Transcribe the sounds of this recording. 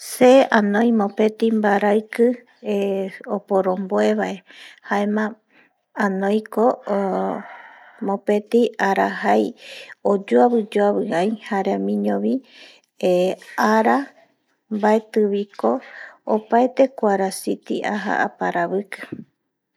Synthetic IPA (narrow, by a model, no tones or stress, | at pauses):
seãnõj̃mõpe̞t̪imbaɾaɨkɨ | opoɾõmboeβaʔe̞haemã | anõjko | mõpet̪iaɾaɦajod͡ʒoaβɨd͡ʒoaβɨajhaɾemĩɲõβi | aɾa | mbae̞t̪ɨβiko̞ːpaet̪e̞kʷaɾasit̪iʔa̰ɦa̰ʔa̰paɾaβɨkɨ̥